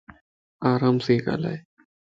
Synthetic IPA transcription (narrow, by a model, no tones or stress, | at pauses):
aːɾaːmseka̰la̰